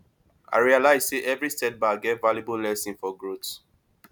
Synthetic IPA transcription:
ʔa̰ɹialaɪzseʔɛvɹistɛt̚baɡɛtvaljibullɛsĩnfɔɡɹots

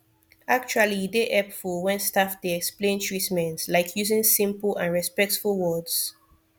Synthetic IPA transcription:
ak̚t͡ʃualideʔɛpfɔwɛ̃nstafdeɛksplẽntʰɹitmɛ̃ntslaɪkʰjuzɪ̃ŋsĩmpl̩ãnɹɛspɛk̚tfulwɔdz̥

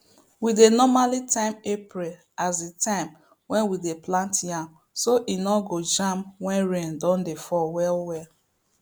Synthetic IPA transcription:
widenɔmalitãɪ̃mepɹil | azetãɪm | wɛ̃nwideplãntjãm | soʔinɔɡod͡ʒãmwɛ̃nɹẽndɔ̃ndefɔwɛlwɛ

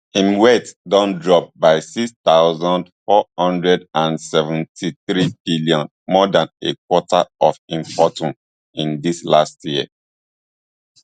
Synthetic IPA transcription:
ĩmwɛtdɔ̃ndɹɔp̚baɪsikst̪aʊzɔ̃ndfɔhɔ̃ndɹɛdãnsɛvɛ̃ntʰiθɹib̥iljɔ̃n | mɔdãnekwɔtʰaɔfĩmpɔtɔ̃n | ĩndislastjiə̰

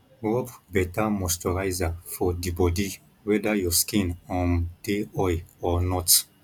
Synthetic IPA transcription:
ɹɔpbɛtamɔstɔɹajzafɔdibɔdi | wɛdajɔskĩnɔ̃nd̥eɔjɔnɔt

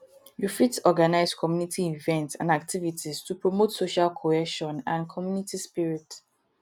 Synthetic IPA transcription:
jufitɔɡanaɪzkʰɔmjunitʰiivɛ̃ntsã̰ndak̚tʰivitʰiz̥tʰupɹɔmotsoʃalkʰoɛʃɔ̃nãnkʰɔmjunitispiɹit

